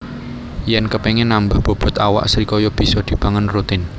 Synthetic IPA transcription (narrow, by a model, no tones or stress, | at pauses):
jɛnkəpɛŋɛnambahb̥o̤b̥ɔ̤t̪awa̰ʔsɾikɔjɔb̥i̤sɔd̪̥i̤b̥aŋənrut̪ɪn